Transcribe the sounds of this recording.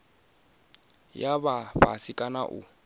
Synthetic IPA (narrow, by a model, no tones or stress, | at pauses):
jababa̰sikʼana̰ʔʊ̰